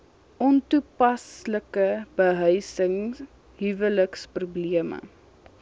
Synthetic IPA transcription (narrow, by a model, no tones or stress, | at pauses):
ʔɔntupɐsləkəb̥əɦœjsəŋ | ɦivələksprubliəmə̰